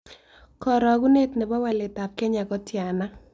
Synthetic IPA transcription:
kɔ˨ɾɔ˨ɡu˦ne˦tnɪ˨bɔ˦wɛ˦lɪ˨ta˨p̚kɛ˦ɲa˨kɔ˦tja˨na˦

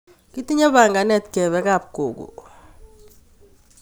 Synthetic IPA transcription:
ki˦ti˦ɲa˦βa˨ŋɡa˨nɛ˦˨tkɛ˨βɛ˦ka˦˨p̚ko̰˨kṵ˨

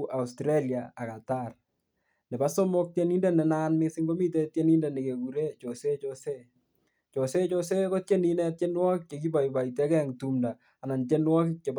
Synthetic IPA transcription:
ʔa˨u˨stɾe˦lja˨a˨ka˨ta˦r | ne˨ba˦so˦mo˦k̚tje˦ni˦nde˦nɛ˨na˦nmɪ˦si˦ŋɡo˦mi˦te˦tje˦ni˦nde˨ne˨ke˨ku˨ɾe˦t͡ʃo˨se˦t͡ʃo˨se˦ | t͡ʃo˨se˦t͡ʃo˦se˦ko˦t̚t͡ʃe˦ni˦nɛ˦t̚t͡ʃe˦nwɔ˦kt͡ʃe˨ki˦ba˨ji˨ba˨i˨te˦kɛ˦˨ŋtu˦mdaː˨na˨nt͡ʃe˦nwɔ˦kt͡ʃe˨b

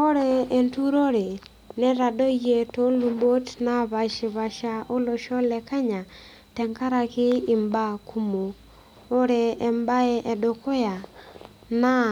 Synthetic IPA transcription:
o˦ɾɛ˦e˨ntu˦ɾo˦ɾe˨ | nɛ˦ɾa˨do˦je˨to˦lu˨mbo˦tna˦βa˨ʃɪ˨βa˨ʃa˦o˦lo˨ʃɔ˦lɛ˨ka˦ɲa˨ | tɛ˨ŋka˦ɾa˨kɪ˦ɪ˨mba˦kʰu˦mo˨ | o˦ɾɛ˨ɛ˨mba˦ɛ˦ʔɛ˨dɔ˨kɔ˦ja˨ | na˦

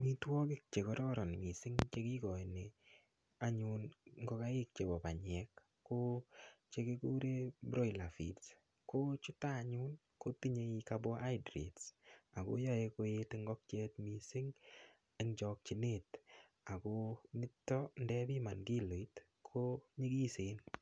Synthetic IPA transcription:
mi˦twɔ˦kɪ˦k̚t͡ʃe˨kɔ˦ɾɔ˦ɾɔ˨n˨mi˨sɪ˦ŋt͡ʃe˦ki˦kɔ˨i˨ne | a˦ɲu˧nŋɡɔ˦ka˦i˦k̚t͡ʃe˨bɔ˨pa˨ɲɛ˨kː | o˦t͡ʃe˦ki˦ku˦ɾe˦bɾo˦ila˨fḭ˨ts | ko˦t͡ʃu˦taː˦˨ɲʊ˦n | ko˦ti˦ɲe˧i˧ka˧bo˦ʔa˦jdɾḛ˨tsa˨ko˦jɔ˦e˧ko˧jeteŋɡɔ˦k̚t͡ʃe˦tmi˨sɪ˦ŋ | e˦ŋd͡ʒɔ˧k̚t͡ʃi˨ne˦t | a˨ko˦nɪ˦tːɔ˦ndɛ˦bi˦ma˨nki˦lo˨i˦t | kʰoɲi˦ki˦sen

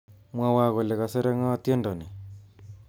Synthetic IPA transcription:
mwa˦wa˦ɣɔ˨lɛ˨ɣa˨se˦ɾɛ˦ŋɔ˦a˦t̪je˦ndɔ˨nɛ˨

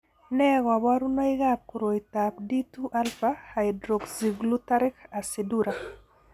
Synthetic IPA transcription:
nɛ˦ɣa˨ba˦ɾu˦na˦ɪɣap̚ku˨ɾo˨i˨ta˨p̚di˦tu˦ʔa˦lfaha˨jdɾo˨ɡzi˨ɡlu˦ta˦ɾɪ˦ka˨si˨du˦ɾa

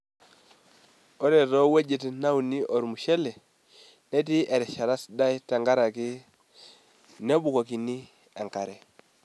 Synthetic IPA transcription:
o˦ɾe˨to˦we˦d͡ʒe˨tna˦wu˨ni˦ʔo˨ɾmu˨ʃe˦le˨ | ne˦ti˦ʔe˨ɾɛ˨ʃa˨ɾa˦sda˦jta˨ŋɡa˦ɾa˨ki˦ | ne˦bu˨ko˨ki˨ni˦ | e˨ŋka˨ɾɛ˨

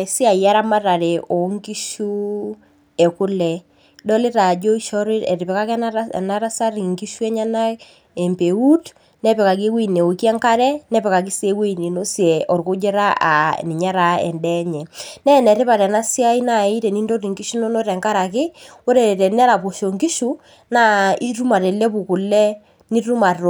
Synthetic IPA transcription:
si˦a˨ja˦ɾa˦ma˦ta˨ɾɛ˨ʔo˨˦ŋki˦ʃu˦ | ɛ˨kʊ˦lɛ˨ | dɔ˦lɪ˦ta˨d͡ʒo˦i˦ʃɔ˦ɾɪ˦ɛ̰˨ɾɪ˨pɛ˨ka˦kɛ̰˦na˦ɾa˦sa˦ɾi˨ŋki˦ʃu˦ɛ˦ɲa˦na˦ | ɛ˨mpe˨u˦t | nɛ˦pɛ˨ka˨k̬e˦wi˦ne˨o˨kɛ˦ŋka˦ɾɛ˦nɛ˦pɛ˨ka˨k̬i˦se˨˦we˦˨ne˨no˦sjɛ˨ɔ˨rko˦d͡ʒe˦ɾa˦a̰˨ni˨ɲa˦ɾa˨ɛ̰˨ndɛ˦ɲɛ˨nɛ˦˨nɛ˨ɾɪ˦pa˨tɛ˨na˦si˦a˦i˦na˦˨i˦tɛ˨ni˦ndo˦ti˨ŋɡi˦ʃu˦no˦no˦tɛ˨ŋka˦ɾa˨kɪ˦wo˦ɾe˨tɛ˨nɛ˦la˨po˨ʃo˨ŋɡi˦ʃu˦ | na˦i˦ɾu˦ma˨tɛ˨lɛ˦pu˨kʊ˨lɛ˦ | ni˦tu˦ma˨to˨

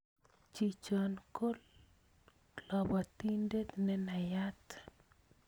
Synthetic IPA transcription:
t͡ʃi˨t͡ʃɔ˨nko˦l | lɔ˨ba˨t̪i˦nde˦t̪nɛ˦na˨ja˦t̪

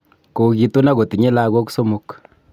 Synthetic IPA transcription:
ko˨ki˨tu˦na˦ko˨ti˨ɲe˦la˦ko˦ku̥˦so˦mu˦k

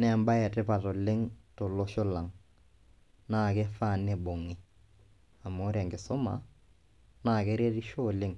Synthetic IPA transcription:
nɛ˦˨mba˦jɛ˨tɪ˦pa˨to˨lɪ˦ŋtʊ˨lo˦ʃʊ˦la˨ŋ | naː˦˨kɛ˦fa˦˨ne˦˨bo˨ŋɪ˦ | a˨mo˦ɾɛ˨ŋɡɪ˨sʊ˦ma̰˨ | na˦˨kɛ˦ɾe˦ɾi˦ʃo˦˨lɪ˦ŋ

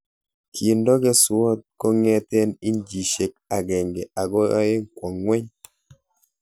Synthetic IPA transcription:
kʰi˨ndɔ˦ɡe˦swɔ˦t̪̚kɔ˦ŋɛ˦t̪e˦ni˦nd͡ʒi˨ʃe˨k̚a˨ɡɛ˨ŋɡe˨ʔa˨ɡɔ̰˦e˦ŋkwɔ˨ŋːwɛ˦ɲ

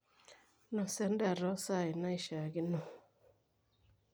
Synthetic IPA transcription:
nɔ˨sɛ˦nda˨ɾɔ˨˦sa˦˨i˨na˦i˦ʃa˨ɡi˦no˨

